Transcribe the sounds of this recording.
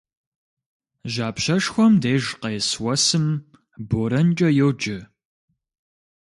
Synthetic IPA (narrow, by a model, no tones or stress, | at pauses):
ʒaːpɕɐʂxʷɔmdeːʒqeːswɐsɨm | boːɾɐnt͡ʃʼɐjɛwd͡ʒɪ